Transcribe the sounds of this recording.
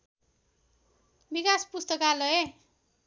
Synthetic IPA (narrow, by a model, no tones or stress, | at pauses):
bikaspust̪ʌkalʌe